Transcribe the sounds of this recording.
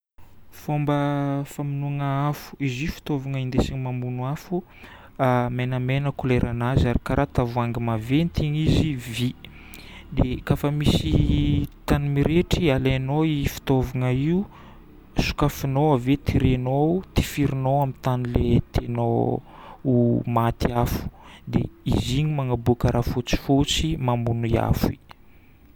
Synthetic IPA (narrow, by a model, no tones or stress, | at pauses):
fombəfaminuŋəafu̥izifi̥t̪ovaŋəind̪esiɲimambunuafu | amenamenəkuleɾʔanazaɾikaɾʔat̪avuaŋɡimavent̪iɲizivi | d̪ekafəmisit̪animiɾeʈ͡ʂialenoifi̥t̪ovanaiu | su̥kafinowavet̪iɾenot̪i̥fiɾinowamint̪anilet̪eno | umat̪iafu̥d̪ḛiziɲimaŋabukəɾʔafot͡si̥fot͡simamunuia̰fi